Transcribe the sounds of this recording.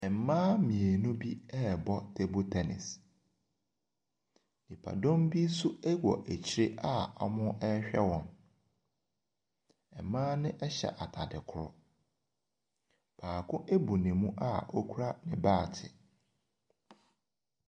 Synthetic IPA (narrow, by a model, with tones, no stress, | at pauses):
ɛ˨mmãː˦mĩ˨e˨nũ˦bi˦ɛ˦˨bɔ˦tʰe˦bo˦tʰɛ˨nɪ̰˨s | nĩ˨pʰa̰˨dɔ̃˦mbi˦sʊ˦ɛ˦wɔ̰˨ʔæ˨t͡ɕʰi˨ɾe˦ʔa˦a̰˦mʊ̃˦ɛ˦ɕᶣɛ˦wɔ̃˨n | ɛ˨mãː˦nɪ̃˦ʔɛ˦ɕɛ̰˨ʔa˨tʰa˨dɪ˨kʰʊ˦˨ɾʊ̰˦ | b̥ʰaː˨kʰʊ̃˦ʔe˦bu˨nɪ̃˨mũ˦ʔa̰˦ɔ˦kʰu˦ɾa˦nɪ̃˨baː˦˨tʰɪ̰˨